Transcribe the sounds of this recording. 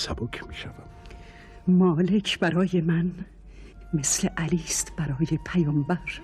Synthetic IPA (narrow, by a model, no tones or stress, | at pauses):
sæbokʰmiːʃævæm | mɒːle̞kʰb̥æɾɒːjemæn | mesleʔæliːst̪b̥æɾɒːjepʰæjɒːmbæɾ